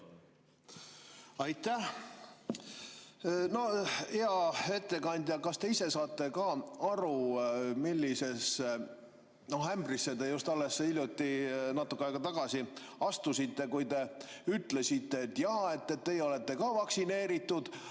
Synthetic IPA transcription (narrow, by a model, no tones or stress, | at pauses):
ɑjt̪ːæh | no̞eɑe̞t̪ːe̞kɑnʲd̪̥ʲjɑkɑst̪e̞ise̞sɑːt̪ˑːe̞kɑːɑɾumilʲːise̞s | no̞hæmbrisːed̪e̞just̪ɑlːe̞sːeilʲjut̪ːinɑt̪ːˑukːˑeɑjɡ̥ɑt̪ɑɡ̥ɑsiɑst̪usit̪ːe̞kujt̪e̞yt̪le̞sit̪ːˑe̞t̪ːjɑːe̞t̪ːet̪ːe̞jeo̞le̞t̪ˑːe̞kɑːvɑksine̞ːɾit̪ːˑud̪̥